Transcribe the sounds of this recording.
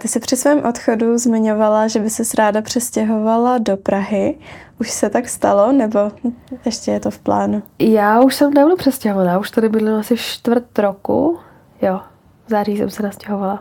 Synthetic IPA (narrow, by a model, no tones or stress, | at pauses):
t̪ɪsɪpr̝̥ɪsvɛːmʔo̞t̪xoduzmɪɲo̞valaʒɛbɪsɛsɾaːdapr̝̥ɛscɛɦo̞valado̞pɾaɦɪʔuʃsɛt̪akst̪alo̞nɛbo̞ɛʃcɛjɛt̪o̞fpla̰ːnujaːuʃsɛmnɛblupr̥ɛscɛɦovanaːuʃt̪adɛbɪdlɪlasɪft͡ʃt̪vr̩t̪ɾokṵ | jo | vzaːriːsɛ̰msɛnascɛɦovala